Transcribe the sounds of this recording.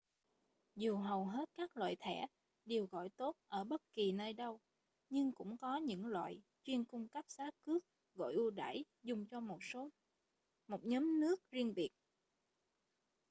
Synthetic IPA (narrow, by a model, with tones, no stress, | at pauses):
zu˨˩ɦə˨˩wɦe˦˥t̚kaː˦˥k̚lwa̰ː˧˨jt̪ʰɛ˧˩ | ɗe˨˩əwɣɔ̰˧˨jt̪o˦˥t̚ʔəː˧˩ɓə˦˥t̚ki˨˩nəː˧jɗə˧w | ɲɨ˧ŋkʊ̰˧˥ŋ͡mkɔ˨˦ɲɨ̰˧˥ŋlwa̰ː˧˨j | t͡ɕwi˧ənkʊ˧ŋ͡mkə˦˥p̚saː˨˦kɨ˦˥ək̚ | ɣɔ̰˧˨jʔu˧ɗa̰ː˧˩j | zʊ˨˩ŋ͡mt͡ɕɔ˧mo˨˩t̚so˨˦ | mo˨˩t̚ɲɔː˨˦mnɨ˦˥ək̚zi˧ənɓi˨˩ət̚